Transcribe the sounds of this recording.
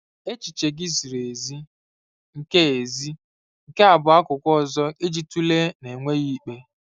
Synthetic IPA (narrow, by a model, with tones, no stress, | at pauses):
e˦t͡ʃi˨t͡ʃe˨ɡɪ˦zi˨ɾe˨zi˦ | ŋ̩˨ke˦e˨zi˦ | ŋ̩˨ke˦a˨bʊ˨a˦kʊ˨kʷɔ˦˨zɔ˦e˦d͡ʒi˦tu˦le˦ne˨ŋʷe˦ɣi˦k͡pe˦